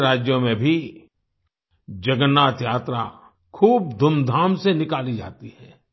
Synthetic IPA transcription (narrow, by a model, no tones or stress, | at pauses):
ɾaːd͡ʒjõmẽbʱi | d͡ʒɐɡənːaːt̪jaːt̪ɾa̰ | kʰuːb̚d̪ʱʊmd̪ʱaːmsenɪkaːlid͡ʒa̰ːt̪ihɛː